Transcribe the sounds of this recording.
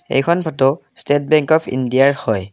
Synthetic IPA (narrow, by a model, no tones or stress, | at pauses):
ḛjkʰɔnbʰʱɔto | stet̚bɛŋkɔpʰḭndiaɹhɔj